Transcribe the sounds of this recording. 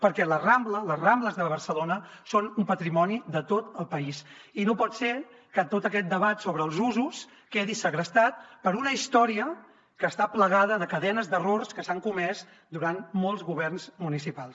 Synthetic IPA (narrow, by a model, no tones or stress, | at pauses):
pəɾkɛləramblələzrambləzðəβərsəlonə | sonumpət̪ɾimɔniðət̪ot̪əlˠpəisinopɔt̪se | kət̪ot̪əkɛt̪̚d̪əβat̪soβɾəːlˠzuzus | keðisəɣɾəst̪at̪̚pəɾunəist̪ɔɾiə | kəst̪apləɣaðəðəkəðɛnəzd̪ərorskəsaŋkumɛz | d̪uɾanmolˠzɣuβɛrnzmunisipalˠs